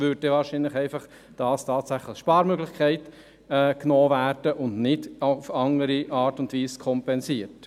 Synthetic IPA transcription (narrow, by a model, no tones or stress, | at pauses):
ʋʏɾdɛvɑːɾʃinləχɛɪfɑχ | tɑːstʰɑːtsæχləχʃpɑːɾmøɡlɪχkʰæɪtː | knoːvæːɾd̥əʔʊndnɪdfɑŋəɾiʔɑːɾtʊndʋiːskʰɔmpɛnsiːəɾt